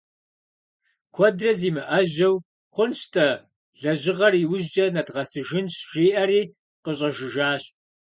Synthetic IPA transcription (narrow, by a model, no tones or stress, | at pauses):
kʷʰɔdrɐziːmɨʔɐʑɐw | χʷʊnɕtʰɐ | ɮɐʑɪʁɐriwʊʑd͡ʒɐnɐdʁɐsɨʒɨnɕʒiːʔɐriː | qəɕʼɐʒɪʒaːɕ